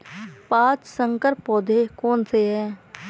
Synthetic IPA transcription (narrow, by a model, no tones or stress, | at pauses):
paːt͡ʃsə̃ŋkəɾpɔːd̪ʱekɔːnseɦɛː